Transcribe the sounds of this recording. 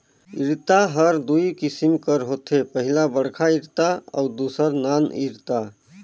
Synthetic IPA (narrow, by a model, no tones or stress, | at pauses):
iɾt̪aɦəɾd̪ujkisimkəɾɦot̪ʰepəɦilabəɽkʰaiɾt̪aa̰wd̪usəɾnanḭɾt̪a